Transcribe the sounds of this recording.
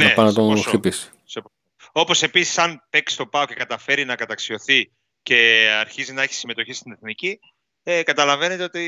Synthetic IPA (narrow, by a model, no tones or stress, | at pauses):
nnɐepɐnɐt̪osipisi̥ | sep | o | o̞po̞se̞pisi̥sɐnpe̞ksi̥t̪o̞pɐo̞ce̞kɐt̪ɐfe̞ɾinɐkɐt̪ɐksio̞θi | ce̞ɐɾçizinɐeçi̥sime̞t̪o̞çist̪ineθnici | ekɐt̪ɐlɐve̞ne̞t̪eot̪i